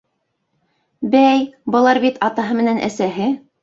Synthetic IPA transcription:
bæjbɤ̆lˠɑɾbit̪ɑt̪ɑɦɤmɘ̆nænʔæ̰sæɦɘ

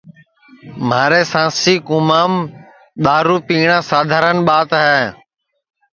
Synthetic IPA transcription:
maːɾeːsãːsiːkʊmaːm | ɗ̪aːɾuːpiːɳãːsaːd̪ʱaːɾənɓaːt̪ɦɛː

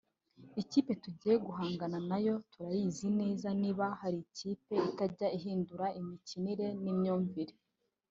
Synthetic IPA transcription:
iciːpe̞tuɟiːjeɡuɦaːŋɡananajo̞tuɾajiːzine̞ːzaniːβahaɾiciːpe̞itaɾɟaiɦiːnduɾaʔimiciniɾe̞nimɲuːɱviɾe

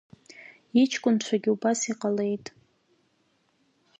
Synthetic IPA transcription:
it͡ʃʰkʷʼʊnt͡ʃʷʰaɡʲiubasiqʼale̞jtʼ

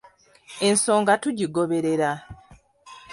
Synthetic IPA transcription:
e̞nso̞ːŋɡatuɟiɡo̞βe̞ɾe̞ɾa

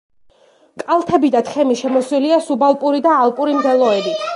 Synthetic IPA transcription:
kʼalˠt̪ʰɛbid̪at̪ʰχɛmiʃɛmɔswiliasubalˠpʼuɾid̪aːlˠpʼuɾimd̪ɛlˠɔɛbi

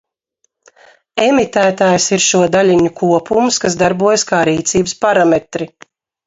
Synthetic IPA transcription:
emit̪æːt̪aːjsiɾʃuɔd̪aʎʲiɲukʰuɔpumskasd̪aɾbuɔjskaːɾiːt̪siːbəspaɾamet̪ɾi

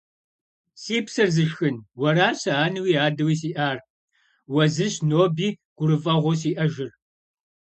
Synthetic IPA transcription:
siːpsɐrzɨʃxɨnwɐɾaːsɐaːnɨwiːaːdɐwiːsiːʔaːr | wɐzɨɕnoːbiːɡ̥ʷʊɾɨfʼɐʁʷɔs̬iːʔɐʒɪr

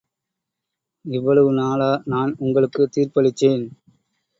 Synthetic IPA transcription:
ɛʋːɐɭɐʋɯnaːlaːnaːnʊŋɡɐɭɯkːɯt̪iːrpɐɭɪt̪ːeːn

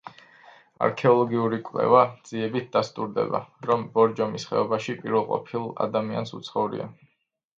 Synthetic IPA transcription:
a̰ɾkʰɛɔlˠɔɡiuɾikʼvlɛ̰vad̪z̥iɛbit̪̚ʰd̪ast̪ʼuɾd̪ɛ̰ba̰ɾɔmbɔɾd͡ʒɔmisχɛ̰ɔbaʃipʼiɾvɛlˠqʼɔ̰pʰilˠa̰d̪amia̰nsut̪sʰχɔvuɾḭa̰

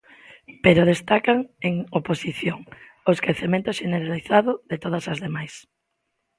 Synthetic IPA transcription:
peɾoðest̪akaŋeŋoposiθjoŋ | ʊeskɾeθemẽnt̪ʊʃeneɾaliθaðʊðet̪oðɐsɐzðemajs

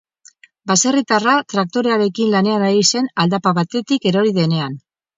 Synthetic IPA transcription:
base̞rit̪arat̪ɾak̚t̪o̞ɾe̞aɾe̞kinlane̞anaɣise̞nald̪apaβat̪e̞t̪ike̞ɾo̞ɾiðe̞ne̞an

